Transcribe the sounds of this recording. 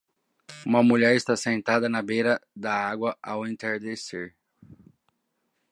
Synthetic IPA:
ũmɐmuʎɛɾɪst̪asẽnt̪ad̪ɐnɐbejɾɐd̪ɐaɡwɐʔawẽnt̪eɾd̪eseɾ

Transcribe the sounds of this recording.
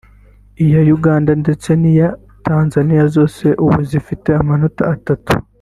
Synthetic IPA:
ijajuɡaːndande̞t͡se̞nija | tʰaːnzanijazo̞ːse̞ʔuβuzifite̞amano̞taːtatu̥̰

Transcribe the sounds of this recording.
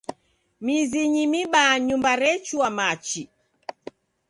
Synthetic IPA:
miziɲimiɓaɲumbaɾɛt͡ʃuamat͡ʃi

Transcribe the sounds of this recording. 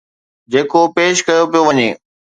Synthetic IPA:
d͡ʑeːkopeːʃkɐjopijoʋɐɲeː

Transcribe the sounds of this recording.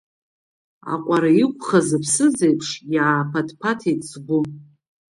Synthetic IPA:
a̰qʷʼaɾaikʷʼχazɨpʰsɨzejpʰʂjaːpʰadpʰatʰejtʰʼsɡʷʊ

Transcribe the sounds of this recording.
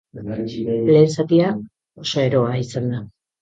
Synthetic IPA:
le̞ːnsat̪ia | oso̞e̞ɾo̞aisand̪a

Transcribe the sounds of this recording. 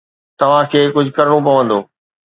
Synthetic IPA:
t̪ɐʋ̤ãkʰeːkʊd͡ʑʱʊkɐɾɪɽ̃opɐʋə̃nd̪oː

